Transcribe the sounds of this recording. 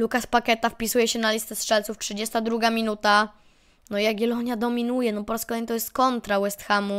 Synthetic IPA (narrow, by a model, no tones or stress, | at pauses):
lukaspakɛt̪afpʲisujɛɕɛnalʲist̪ɛstʂɛlt̪suftʂɨd͡ʑɛst̪ad̪ɾuɡamʲinut̪a | nɔijaɡɡʲɛlɔɲad̪ɔmʲinujɛnɔpɔɾaskɔlɛjɲit̪ɔjɛst̪kɔnt̪ɾawɛst̪xamu